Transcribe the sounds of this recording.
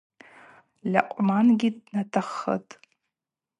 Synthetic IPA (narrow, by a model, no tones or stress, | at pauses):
lɐ̰qʷʼmaːnɡʲidnɐtʰɐχɐ̰tʰʼ